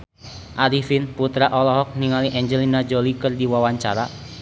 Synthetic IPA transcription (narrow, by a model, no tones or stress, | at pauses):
ʔaɾifinput̪ɾaʔɔlɔɦɔk̚niŋaliʔɛɲd͡ʒɛlinad͡ʒolikərdiwawaɲt͡ʃaɾa